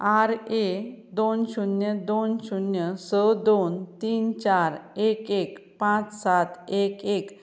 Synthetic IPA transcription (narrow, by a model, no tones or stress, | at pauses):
aɾed̪onɕunjəd̪onɕunjəsəd̪ont̪iːnt͡ɕaɾekekpãt͡ssat̪ekek